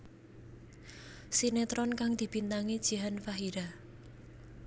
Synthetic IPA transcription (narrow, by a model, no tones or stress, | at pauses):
sinet̪ɾɔnkaŋd̪̥i̤b̥int̪aŋid̥ʒ̥i̤ɦanfaɦiɾa